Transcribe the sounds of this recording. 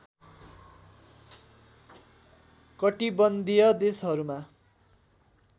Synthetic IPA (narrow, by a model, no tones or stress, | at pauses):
kʌʈibʌnd̪ijʌd̪esɦʌɾuma